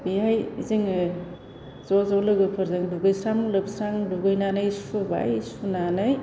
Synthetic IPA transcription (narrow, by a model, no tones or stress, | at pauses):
biajiziŋ | z̥ɔzɔlɯɡɯpʰɯɾzɯŋduɡɯjsɾamlɯbsɾaŋluɡɯjnanɯjsuba̰jsunanɯj